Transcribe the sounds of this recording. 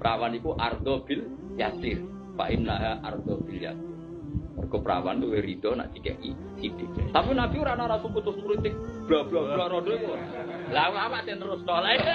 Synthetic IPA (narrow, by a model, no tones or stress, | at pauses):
pɾʔawanikuʔard̪̥ɔb̥ɪl | jasɪr | pa̰ʔɪnːaɦaʔa̰rd̪̥ɔb̥ɪlja̰sɪr | mɔrɡ̥ɔpɾa̰wa̰nuweɾid̪̥ɔna̰ʔd̪̥ikɛ̰ʔkḭ | sid̥ɪkwḛsapinab̥iuɾanaɾasukut̪ʊstulit̪ɪk̚b̥ablablaɾɔɖ̥ɔikuɾa̰lawawat̪enəɾʊstɔlae